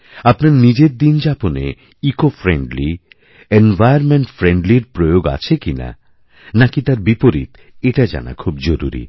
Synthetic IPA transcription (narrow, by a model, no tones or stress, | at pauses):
apnaɾnid͡ʑeɾd̪ind͡ʑaponḛ | ikofɾeɳɖli | envajaɾmeɳʈfɾeɳɖliɾpɾojoɡa̰t͡ɕʰekina̰ | nakit̪aɾbipoɾḭt̪ | eʈad͡ʑa̰na̰kʰubd͡ʑoɾṵɾḭ